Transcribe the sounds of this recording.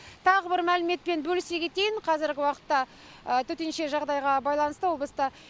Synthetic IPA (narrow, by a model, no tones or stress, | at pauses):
t̪ʰɑʁəbɪɾmælɪme̞t̪̚pe̞nbɵlɪseɡʲe̞t̪e̞jɪɴqʰɑzɪɾɡʲɪwɑqə̥t̪ːɑ | ət̪ʰɵt̪e̞nʃe̞ʒɑʁd̪ɑjʁɑbɑjlˠɑnəst̪əwo̞b̪lˠəst̪ɑ